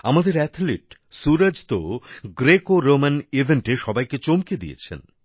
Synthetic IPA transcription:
amad̪eɾɛt̪ʰliʈsuɾad͡ʑt̪oɡɾekoɾomanibʱeɳʈeʃɔbajket͡ɕomked̪ḭjḛt͡ɕʰḛn

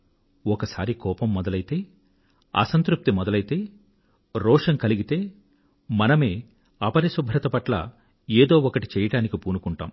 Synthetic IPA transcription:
ɔkɐsaːɾikɔːpɐmːɔd̪ɐlɐjt̪e̞ː | ɐ̰sɐnt̪ɾup̚t̪imɔd̪ɐlɐjit̪e̞ː | ɾɔːʂɐŋkɐliɡit̪e̞ː | mɐnɐmeː | ɐpɐɾisubʱɾɐt̪ɐpɐʈlɐ̰ | eːd̪o̞ːɔkɐʈi̥t͡ʃɛːjɐɽaːnikipuːnukuɳʈa̰ːm

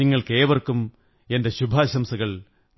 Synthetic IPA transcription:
iŋːɐɭke̞ːʋɐrkum | e̞ndeɕubʱaːɕɐmsɐɣɐɭ

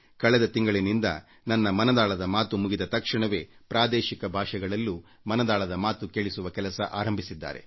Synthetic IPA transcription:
kɐɭɛd̪ɐt̪iŋɡɐɭinind̪ɐ̰ | nɐnːɐmɐnɐd̪aːɭɐd̪ɐmaːt̪umuɡid̪ɐt̪ɐkʂɐɳɐʋe̞ːpɾaːd̪eːʃikɐbʱaːʂɐɡɐɭɐlːu | mɐnɐd̪aːɭɐd̪ɐmaːt̪ukeːɭisuʋɐkɛlɐsɐ̰ʔa̰ːɾɐmbʱisid̪ːa̰ːɾe̞̰

